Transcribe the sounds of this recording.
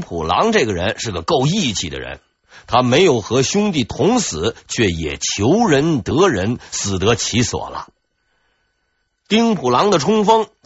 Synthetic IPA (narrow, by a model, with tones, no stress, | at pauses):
pʰu˨˩lɑ̰˧˥ŋʈ͡ʂɡə˩ɻə̰˧˥nʂɻ̩˥˩ɡə˩ko˥˧ʊi˥˩t͡ɕʰḭ˧˩d̪ə̰˦ɻə̰˧˥n | t̪ʰa˥me˧˥ɪjo˨˩ʊxɤ˧˥ɕʊ˥ŋt̪i˥˩t̪ʰʊ˧˥ŋsɹ̩˨˩˦t͡ɕʰɥɛ˥˩jɛ̰˨˩t͡ɕʰjo˧˥ʊɻə˧˥nt̪ɤ˧˥ɻə˧˥nsɹ̩˨˩t̪ɤ˧˥t͡ɕʰi˧˥swɔ̰˨˩lə̰˦ | t̪i˥ŋpʰu˨˩lɑ˧˥ŋd̪ə˨ʈ͡ʂʰʊ˥ŋfɤ˥ŋ